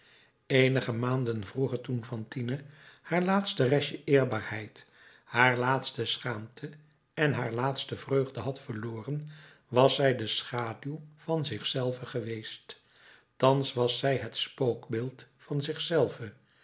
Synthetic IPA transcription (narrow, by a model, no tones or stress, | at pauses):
ejnəχəmaːndənvruχəɹtunfɑntinəhaːɹlaːtstərɛʃəʔɪːɹbaːɹhɛjt | haːɹlaːtstəsχaːmtʰə | ɛnɦaːɹlaːtstəvrøɥχdəɦɑtfəɹloːrən | ʋɑsɛjdəsχaːdylv̥ɑnzɪχsɛlˠvəχəʋejst | tɑnsʋɑsɛjɦətspowkbɪːlˠtfɑnzɪχsɛlˠvə